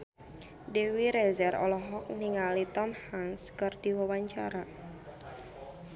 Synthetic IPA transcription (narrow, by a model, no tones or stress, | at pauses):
dewiɾezɛrɔ̰lɔɦɔk̚niŋalit̪ɔmhanskərd̥iwəwaɲt͡ʃaɾa